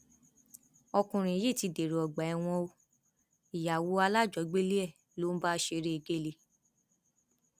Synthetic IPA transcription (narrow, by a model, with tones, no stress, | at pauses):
ɔ˧kũ˧˨ɾ̃ĩ˨je˦˨ti˧de˨ɾe˨ɔ˨ɡ͡ba˨ɛ˦˧w̃ɔ̃˧o˧ | i˨ja˨wo˨˦a˧la˦˨d͡ʒɔ˨˦ɡ͡be˦le˦ɛ˦˨ | lo˨˦n̩˦ba˦ʃe˧ɾe˦e˧ɡe˦le˧˨